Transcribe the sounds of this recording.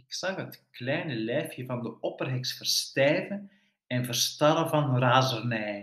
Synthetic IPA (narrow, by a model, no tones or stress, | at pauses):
ɪksɑxət̪klɛjnəlɛːfjəvɑnd̪əɔpərɦɛksfərst̪ɛːvən | ɛnvərst̪ɑɾəvɑnraːzərnɛj